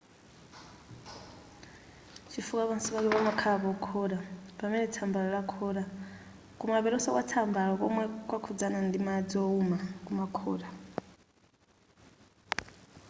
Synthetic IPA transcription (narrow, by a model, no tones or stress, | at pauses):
t͡ʃʰifukaβansiβakɛβamakʰaβɔkʰɔɾapamɛnɛtʰambaɺɔɺakʰɔɾa | kumaβɛɾɔsakwatʰambaɺɔkɔ̰mwɛkwakʰud͡zanandimad͡zɔumakʼumakʰɔːɾa